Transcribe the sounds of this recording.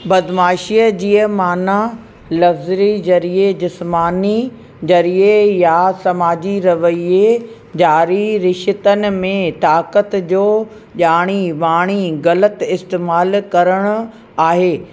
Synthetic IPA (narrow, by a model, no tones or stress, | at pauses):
bɐd̪maːʃiːəd͡ʑiːəmaːna | lɐfzɾizɐɾied͡ʑɪsmaːni | d͡ʑɐɾiejasɐmaːd͡ʑiɾɐʋəie | d͡ʑaːɾiɾɪʃɪt̪ənɪ̆mẽt̪aːkət̪d͡ʑoː | ʄaːɽ̃iʋaːɽ̃iɣɐlət̪ɪst̪eːmaːlkɐɾəɽ̃ʊ̆ | aːɦeː